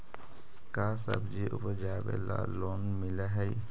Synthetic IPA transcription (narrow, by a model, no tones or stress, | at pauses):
kaːsə̰bd͡ʒiʔʊ̰pəd͡ʒaːbḛla̰loːnmɪlaɦɛi